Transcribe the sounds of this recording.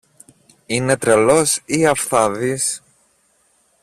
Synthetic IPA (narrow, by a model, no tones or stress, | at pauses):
ine̞t̪ɾelo̞siɐfθɐðis